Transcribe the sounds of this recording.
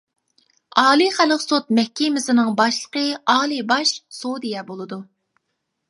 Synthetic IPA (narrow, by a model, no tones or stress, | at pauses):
ɑːlˠiχæləqsot̪̚mɛhkʲimɪsɪnɨŋbɑʃlˠəqəɑːlˠibɑʃsod̪ijɛbolˠɨd̪u